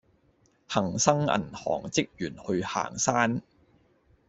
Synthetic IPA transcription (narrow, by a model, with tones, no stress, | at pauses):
hɐ˨˩ŋsɐ˥ŋɐ̰˨˩nhɔ̰ː˨˩ŋt͡sɪ˥k̚jyː˨˩nhɵ˧ɥha̰ː˨˩ŋsaː˥n